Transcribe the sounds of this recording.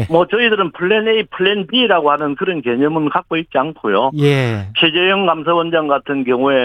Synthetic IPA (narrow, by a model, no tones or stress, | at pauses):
mʌt͡ɕʌidɯɾɯnpʰuɭːeneipʰuɭːenbiːɾaɡohanɯnkɯɾʌnke̞ɲʌmɯnkak̚k͈oit̚t͡ɕ͈iankʰojo | t͡ɕʰe̞d͡ʑe̞jɯŋɡamsʰawʌnd͡ʑaŋɡatʰɯnkjʌŋue